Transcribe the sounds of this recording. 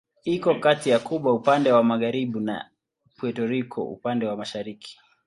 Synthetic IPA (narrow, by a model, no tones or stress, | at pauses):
ikɔkatijakuɓwaupandɛwamaɣaɾiɓuna̰ | pwɛtɔɾikʰɔ̰ṵpandɛwamaʃaɾikʰi̥